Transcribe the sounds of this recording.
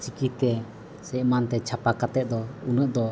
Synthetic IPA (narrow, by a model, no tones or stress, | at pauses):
t͡ʃikit̪ɛ | sɛʔmant̪ɛt͡ʃʰapakat̪ɛʔ̚d̪ɔunəʔd̪ɔ